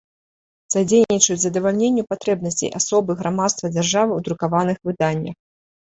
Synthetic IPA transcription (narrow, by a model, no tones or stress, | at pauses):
zad͡zʲejnʲːit͡ʂɐt͡sʲzɐd̪ɐvalʲnʲenʲːupat̪ɾɛbnɐsʲt͡sʲḛjʔa̰sɔbɨɣɾʔamat̪st̪vɐd͡zʲarʐavɨwd̪ɾukavanɨxvɨd̪anʲːɐ̰x